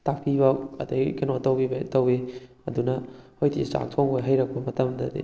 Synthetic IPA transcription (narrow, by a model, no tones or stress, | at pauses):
tak̚pʰibɐkɐ̰dɐɡikenotɐwbibɐtɐwe | ɐdunɐhojtʰḭsa̰ŋtʰoŋojɦajɾɐk̚pɐmɐtɐmdɐd̪ḭ